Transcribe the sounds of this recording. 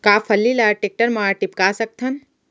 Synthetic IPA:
kaːpʰəlːilaːʈek̚ʈəɾmaːʈipkasək̚t̪ʰən

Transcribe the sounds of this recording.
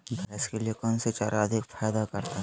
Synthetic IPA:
bʱɛːskeliekɔːnset͡ʃaːɾaɐd̪ʱɪkfʰaːjd̪akɐɾt̪a

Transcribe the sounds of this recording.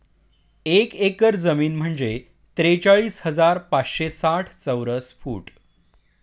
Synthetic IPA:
ekekəɾd͡zəmiːnm̤əɳd͡ze | t̪ɾet͡saɭiːshəd͡zaɾpat͡sɕesaʈʰt͡səwɾəsfuːʈ

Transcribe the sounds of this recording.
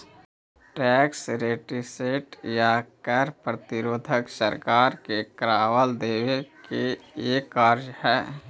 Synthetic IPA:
ʈɛːksɾeːʈiseːʈjakəɾpɾət̪ɪɾoːd̪ʱəksə̰ɾkaːɾkekɾaːwəld̪eːʋekeeːkaːɾd͡ʒhɛː

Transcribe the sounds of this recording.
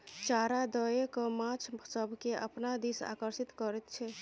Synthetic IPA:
t͡ʃaɾad̪əekɔmãt͡ʃʰsəbʱkeʔə̰pnad̪isa̰kəɾsit̪kəɾɛt̪t͡ʃʰɛ

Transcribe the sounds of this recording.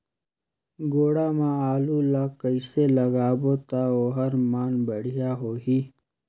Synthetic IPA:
ɡoːɽamãaːlulaːkəiselɐɡaːboːt̪aoːɦɐɾmaːnbəɽ̤ijaɦoːɦiː

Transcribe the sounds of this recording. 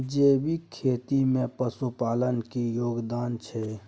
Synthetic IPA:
d͡ʒeːbʱikʰeːt̪imẽpəsupaːlənkijoːɡd̪aːnt͡ʃʰɛ

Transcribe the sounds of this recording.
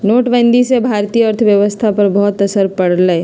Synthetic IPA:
noːʈʋɛ̃ːnd̪isebʱaːɾt̪ijəəɾt̪ʰəʋjəʋəst̪ʰapɐɾbɔɦːt̪ɐsəɾpɐɽləe

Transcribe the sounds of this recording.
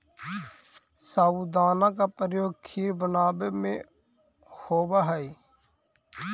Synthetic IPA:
saːuːd̪aːnãːk̬aːpɾjoːɡ̚kʰiːɾbənaːbemḛ̃ː | hoːʋaːɦəiː

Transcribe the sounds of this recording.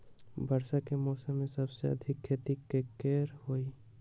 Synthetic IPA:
bəɾsakemɔːsə̃mːẽsɐbseɐ̰d̪ʱɪkʰːet̪ikːekeːɾhoːi

